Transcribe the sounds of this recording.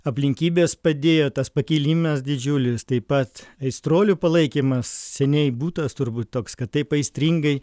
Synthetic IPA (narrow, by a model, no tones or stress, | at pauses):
ɐpʲlʲɪŋʲkʲiːbʲeːspɐd̪ʲeːjoːt̪ɐspɐkʲiːlʲimʲɐsdʲɪd͡ʒʲʊlʲɪst̪ɐɪpɐt̪ɐɪst̪ɾoːlʲupɐlˠɐɪkʲimɐssʲɛnʲɛɪbuːt̪ɐst̪ʊɾbuːt̪t̪oːkskɐt̚t̪ːɐɪpɐɪsʲt̪ʲɾʲiŋɡɐɪ